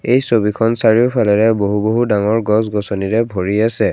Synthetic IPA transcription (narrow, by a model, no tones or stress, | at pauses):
ejsobikʰɔnsaɹiʊpʰalɛɹɛboɦuboɦudaŋɔɹɡɔsɡɔsɔniɹɛbʱoɹiasɛ